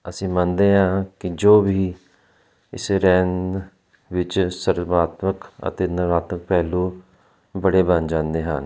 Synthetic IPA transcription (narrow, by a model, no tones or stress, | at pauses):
əsĩːmə̃nd̪eːɦãːkɪd͡ʒoːbʱiː | ɪseɾɛːn | ʋɪt͡ʃsəɾmaːt̪məkə̰t̪eːnəʋaːt̪mək̚pɛːluː | bəɽeːbənd͡ʒãːnd̪eːɦə̰n